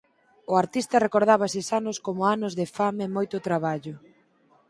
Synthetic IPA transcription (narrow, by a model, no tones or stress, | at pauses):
ʊaɾt̪ist̪ɐrekoɾð̞aβɐsɪsanʊskomʊanʊzðefamemojt̪ʊt̪ɾaβ̞aʎʊ